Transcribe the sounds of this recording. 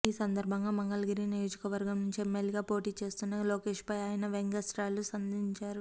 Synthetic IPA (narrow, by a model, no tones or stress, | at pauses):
iːsɐnd̪ɐɾbʱɐŋɡaːmɐŋɡɐlɐɡiɾinijo̞ːd͡ʒikɐʋɐɾɡɐmnuɲt͡ʃiemːeliɡaːpo̞ːʈiːt͡ʃe̞ːst̪unːɐloːke̞ːʃpɐjaːjɐnɐʋeŋɡɐsɾaːlusɐnd̪ʱiɲt͡ʃaːɾu